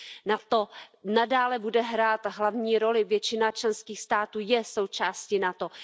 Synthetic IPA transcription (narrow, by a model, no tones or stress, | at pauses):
nat̪o̞nadaːlɛbudɛɦɾaːt̪ɦlavɲiːɾo̞lɪvjɛt͡ʃɪnat͡ʃlɛnskiːxst̪aːt̪uːjɛso̞wt͡ʃaːscinat̪o̞